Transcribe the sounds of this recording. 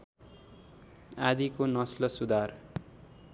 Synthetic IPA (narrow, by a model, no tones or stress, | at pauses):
ad̪ikonʌslʌsud̪ar